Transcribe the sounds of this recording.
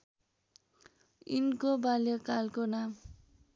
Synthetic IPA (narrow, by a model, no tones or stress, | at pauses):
inkobaljokalkonam